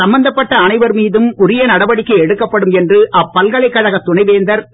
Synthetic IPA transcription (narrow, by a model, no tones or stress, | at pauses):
ɐmbɐnd̪ɐpːɐʈːɐːɳɐɪʋɐɾmiːðɯmʊɾɪjɐnɐɽɐʋɐɽɪkːɐɪɛɽɯkːɐpːɐɽɯmɛndrɯʔɐpːɐlkɐɭɐɪkːɐɻɐɣɐt̪ːʊɳɐɪʋeːnd̪ɐɾ